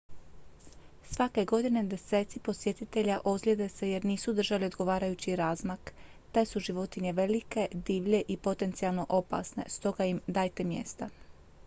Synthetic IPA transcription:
sʋake̞ɡo̞d̪ine̞d̪ese̞ːt̪sipo̞sje̞t̪it̪eʎaʔozɡlʲed̪e̞se̞je̞ɾniːsud̪r̩ʒaliod̪ɡo̞ʋaːɾajut͡ɕiɾaːzmakt̪e̞suʒiʋo̞t̪iɲe̞ʋe̞like̞d̪iːʋʎe̞ʔipo̞t̪e̞nt̪sialˠno̞ʔo̞pa̰sne̞̰st̪o̞ɡajimd̪aːjt̪e̞mjḛːst̪a

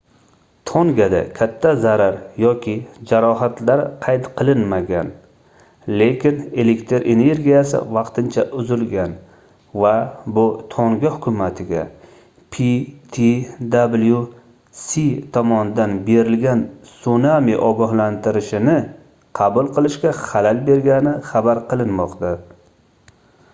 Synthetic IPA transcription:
t̪ʰɒŋɡʲad̪a̰kʲʰat̪ʰːazaɾaɾjɒkʲʰɪd͡ʒaɾɒɦat̪laɾqʰɑjt̪qʰɨlˠɪnmaɡʲan | le̞kʲɪne̞lekt̪ʰɾʔe̞ne̞ɾɡʲijasɪ̰vɑqt̪ʰɪnt͡ʃʰaʔʊzɪlɡʲan | vabʊt̪ʰoŋɡʲahʊkʰʲʊmat̪ʰɪɡʲa̰ | pʰit̪ʰid̪ablˠju | sit̪ʰɒmɒnɪd̪anbe̞ɾɪlɡʲansunamiʔɒɡɒhlant̪ʰɪɾɪʃɪnɪ | qʰɑbʊlˠqʰɨlˠɪʃkʲaχalalbe̞ɾɡʲanɪχabaɾqɨlˠɪnmɒqt̪a

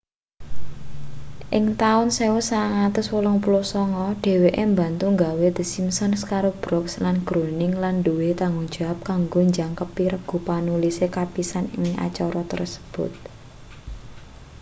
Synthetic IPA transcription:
ʔɪŋt̪aʊnsewʊsaŋat̪ʊswulɔŋpulosɔŋɔɖ̥e̤weʔemba̤nt̪uŋɡawed̪̥ə̤simsɔnskaɾob̥ɾɔkslanɡ̥ɾonɪŋlanɖuwet̪aŋɡuŋ̥d͡ʒ̥ap̚kaŋɡoɲd͡ʒaŋkəpiɾəɡ̥ṳpanulisekapisanɪŋa̰t͡ʃɔɾɔt̪ə̰rsə̥b̥ʊ̰t̪̚

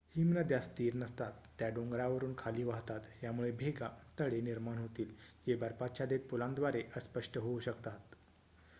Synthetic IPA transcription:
himnəd̪jast̪iːɾnəst̪at̪ːjaɖoŋɡɾaʋəɾuːnkʰaliːʋaɦt̪at̪jamuɭebʱeɡat̪əɽeniɾmaɳɦot̪iːld͡ʑebəɾpat͡ɕjad̪et̪̚pulãnd̪ʋaɾeʔəspəʂʈəɦouɕəkt̪at̪

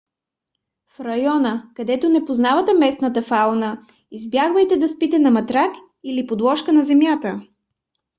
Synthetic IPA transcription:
fɾɐjɔnəkɐd̪ɛt̪onɛpoznavɐt̪ɛmɛsnət̪əfalˠnə | izbjaɡvəjt̪ɛd̪ɐspit̪ɛnɐmɐt̪ɾak | ilipod̪lˠɔʃkənɐzɛmjat̪ə

